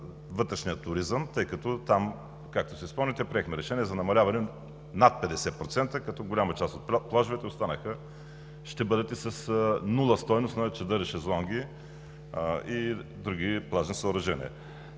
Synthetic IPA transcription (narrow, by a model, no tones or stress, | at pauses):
vɤt̪ɾɛʃnijət̪ʊɾizəmt̪ɤjkɐt̪ɔt̪am | kak̚t̪o̥sɛispɤlˠnit̪ɛpɾiɛxmɛɾɛʃɛniɛzɐnɐmɐlʲavɐnɛ | nat̪̚pɛd̪ɛsɛpɾot̪sɛnt̪əkɐt̪ɔɡolʲamɐt͡ʃast̪ot̪plˠaʒʊvɛt̪ɛost̪anəxə | ʃt̪ɛbɤd̪ɐt̪isɐsnulˠəst̪ɔjnost̪nɐt͡ʃɐd̪əɾɛʃɛzlˠɔŋɡ̟ʲi | id̪ɾuɡʲiplˠaʒnisəːɾɐʒɛnʲḭɛ̰